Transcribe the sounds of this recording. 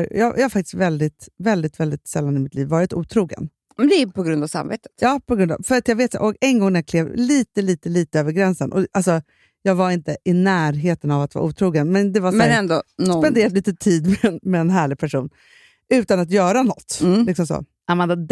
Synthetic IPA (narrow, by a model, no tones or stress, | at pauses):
jɑ̰ːjahaɾfak̚t̪ɪ̥st̪vɛld̪ɪt̪vɛld̪ɪt̪vɛld̪ɪt̪sɛlːanɪmɪt̪ʰliːvːɑːɾɪt̪uːt̪ʰɾuːɡə̰n | mɛnd̪ɛpʰɔɡɾɵnd̪avsa̰mvḛːt̪ə̥t̪jɑːpʰɔɡɾɵnd̪a̰fœɾat̪jɑɡveːt̪j̰ʔɔkɛnɡɔŋnæɾjakʰleːvliːt̪əliːt̪əliːt̪əøːvəɾɡɾɛnsənʔɔ̰ʔalsɔ | jɑːɡvaɾɪnt̪əʔɪnæːɾɦeːt̪ənavat̪vɑ̰ːʔuːt̪ʰɾuːɡənmɛnd̪ɛvasɛɛnd̪onsɔpɛnd̪eːɾad̪liːt̪ət̪ʰiːd̪mɛnmɛːnɦæːɭɪɡ̚pʰæʂuːn | ʉ̟ːt̪anat̪jœːɾanɔt̪ːlɪksɔmsɔ̰ | amand̪a